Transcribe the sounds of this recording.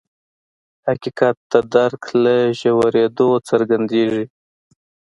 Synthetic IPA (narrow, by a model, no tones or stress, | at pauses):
hakikat̪ːad̪aɾklaʒawaɾed̪ot͡səɾɡand̪eʐi